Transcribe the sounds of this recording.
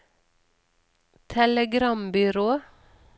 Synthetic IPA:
t̪ʰɛləɡɾɑmbʏɾoː

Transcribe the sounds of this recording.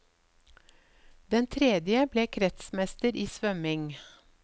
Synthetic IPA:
d̪ɛnt̪ʰɾɛd̪jəbleːkʰɾɛt̪smɛst̪əɾʔiːsʋœmɪŋ

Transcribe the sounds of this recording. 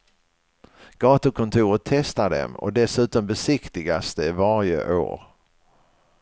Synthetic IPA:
ɡ̥ɑːt̪əkʰɔnt̪ʰuːɾət̪ʰːɛst̪ad̪ɛ̰mɔ̰d̪ɛsʉ̟ːt̪ɔmbɛsɪkt̪ɪɡasd̪ɛɪvaɾjə̰ʔo̰ːɾ

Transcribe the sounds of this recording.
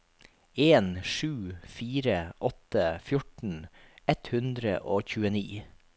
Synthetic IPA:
eːnʂʉːfiːɾəʔɔt̪əfjʊʈnɳ̩ɛt̪hʉnd̪ɾə̰ʔoːçʉːəniː

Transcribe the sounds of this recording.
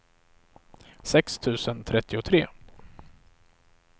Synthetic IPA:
sɛkst̪ʰʉ̟ːsənt̪ʰɾɛt̪ːɪʊt̪ʰɾeː

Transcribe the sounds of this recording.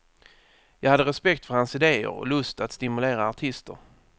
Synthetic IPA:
jɑːɡhad̪ːəɾɛspɛkt̪fœɾhansɪd̪eːə̰ɾɔ̰lɵst̪at̪st̪ɪmɵleːɾaːʈʰɪst̪ə̰ɾ

